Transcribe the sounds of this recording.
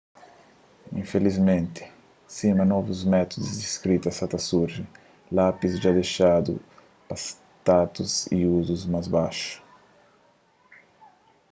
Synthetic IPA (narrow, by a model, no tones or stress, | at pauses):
ḭ̃ɱfelizmẽnt̪ɪ̥ | simɐnɔvuzmɛt̪ud̪uzd̪iskɾit̪ɐsat̪asuɾʒɪ | lapizʒad̪eʃad̪ʊ̰ | pas | t̪at̪uzḭuzuzmazbaʃʊ̥